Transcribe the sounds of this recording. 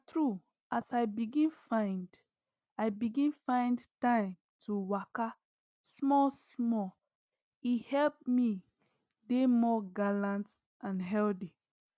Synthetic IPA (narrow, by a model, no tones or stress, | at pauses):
tɹu | ʔasajbiɡĩnfãɪ̃nd | ajbiɡĩnfãɪ̃ndtãɪ̃m | tʰuwaka | smɔsmɔ | ihɛlp̚mi | demɔɡalãnt | ʔãnɦɛldi